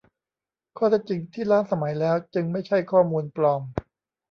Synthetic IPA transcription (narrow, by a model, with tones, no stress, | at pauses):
kʰɔː˥˩ɛ˦˥˩t͡ɕi˧ŋt̪ʰiː˥˩laː˦˥nsa˧ma˩˦jlɛː˦˥wt͡ɕɯ˧ŋma˥˩jt͡ɕʰa˥˩jkʰɔː˥˩muː˧nplɔː˧m